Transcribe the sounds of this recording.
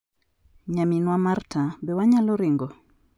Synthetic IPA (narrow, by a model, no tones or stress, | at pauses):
ɲaminwamartʰabɛwaɲalɔɾiŋɡɔ